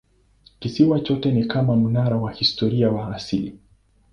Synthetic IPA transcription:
kisiwat͡ʃɔtɛnikamamunaɾawahistɔɾiawaːsili

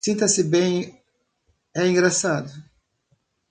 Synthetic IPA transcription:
sĩnt̪ɐsɪbẽj̃ | ɛĩŋɡɾasad̪ʊ

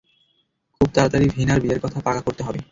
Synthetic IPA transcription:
kʰub̚t̪aɾad̪aɾibʱinaɾbiaɾkɔt̪ʰapakakoɾt̪eɦɔbe

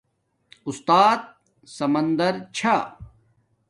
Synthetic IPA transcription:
ust̪aːt̪̚ | sɐmɐnd̪ɐɾt͡ɕʰa

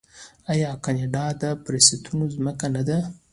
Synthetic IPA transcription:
ajɑkaneɖɑd̪əpɾesit̪ʰunozməkanad̪a

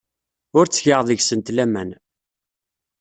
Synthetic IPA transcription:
ʊɾt͡sːçəʁðˤəʝsənt̪læmæn

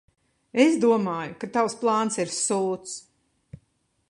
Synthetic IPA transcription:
esd̪uɔmaːjukat̪awsplˠɑːnsiɾsuːt̪s

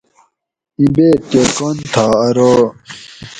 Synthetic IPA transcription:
ĩbeːkekont̪ʰaːɐɾo

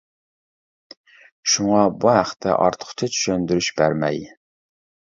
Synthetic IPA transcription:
ʃuŋɑbuɦæχt̪ʰːɛ̰ʔɑ̰ɾt̪ʰə̥qʰʊ̥t̪ʰɛt͡ʃʰy̥ʃønd̪yɾyʃbæɾmɛ̰j

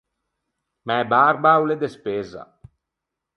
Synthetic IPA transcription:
mɛbaɾbawled̪espeza̰

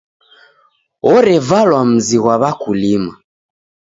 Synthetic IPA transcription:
ɔɾɛvalwam̩ziɣwaβakulima

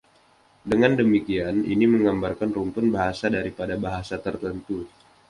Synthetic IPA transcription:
dəŋandəmikianḭniməŋɡambarkanrunt̪ʊnbaɦasadaɾipadabaɦasat̪ərt̪ənt̪u

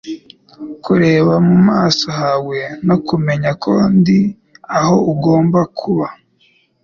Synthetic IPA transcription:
kuɾe̞ːβamumaːsohawe̞no̞kume̞ɲakʰondi | aho̞uɡo̞ːmbakʰuβa

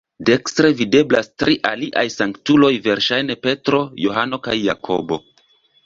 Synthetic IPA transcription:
de̞kstɾe̞vide̞blastɾiʔaliʔajsaŋktulo̞jve̞ɾʃajne̞pe̞tɾo̞jo̞ɦano̞kajːakʰo̞̰bo̞̰

